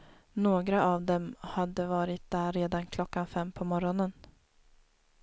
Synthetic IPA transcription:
noːɡɾaʔavd̪ɛmhad̪ːəvɑːɾɪt̪̚d̪æːɾːeːd̪ankʰlɔkːanfɛmːpʰɔmɔɾɔnən

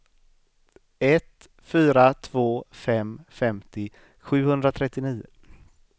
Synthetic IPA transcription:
ɛt̪ | fyːɾat̪ʰv̥oːfɛmfɛmt̪ɪ | ɧʉ̟ːhɵnd̪ɾat̪ʰɾɛt̪ːɪniːʊ̰

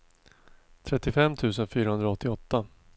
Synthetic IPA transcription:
t̪ʰɾɛt̪ːɪfɛmːt̪ʰʉ̟ːsənfyːɾaɦɵnd̪ɾaɔt̪ʰːɪɔt̪ːa

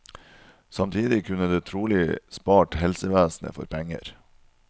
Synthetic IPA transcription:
sɑmt̪ʰiːd̪ɪkʰʉnəd̪eːt̪ʰɾuːlɪspɑːʈhɛlsəʋæːsnə̰fɔ̰ɾpʰɛŋə̰ɾ

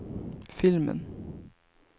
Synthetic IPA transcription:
fɪlmə̰n

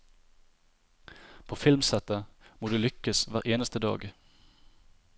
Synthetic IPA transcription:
pʰoːfɪlmsɛt̪əmoːd̪ʉːlʏkəsʋæːʁʔeːnəst̪əd̪ɑ̰ːɡ

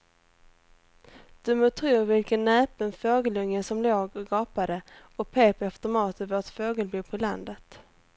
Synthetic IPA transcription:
d̪̥ɵmoːt̪ʰɾuːvɪlkənːɛːpənfoːɡəlɵŋːəsɔmloːɡɔɡɑːpad̪ə | ɔpʰeːpaft̪əɾmɑːt̪əvoːʈfoːɡəlbuːpʰɔland̪ət̪

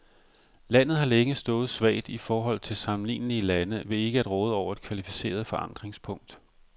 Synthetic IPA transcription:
læn̰ð̞̩ˠhɑ̈leŋəsd̥ɔ̽ːð̞̩ˠsʋɛ̰ɪd̥ifɒːɦɒ̽l̰t͡sʰe̝lsɑ̈mn̩lḭːnliəlænəʋe̝e̝ɡ̥əæd̥ʁɔ̽ːð̞ˠɒʊ̰ɐe̝d̥kʰʋælifi̥se̝̰ːɐð̞ˠfɒ̽ʔɑ̈n̰d̥ʁeŋspʰɔ̽ŋ̰d̥

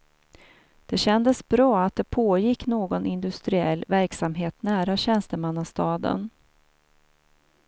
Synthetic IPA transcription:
d̪̥ɛɕɛnd̪əsbɾɑːat̪̚d̪ɛpʰoːjɪkːnoːɡɔnɪnd̪ɵst̪ɾɪɛ̰lːvæɾksamɦeːt̪næːɾaɕɛnst̪əmanːast̪ɑːd̪ə̰n

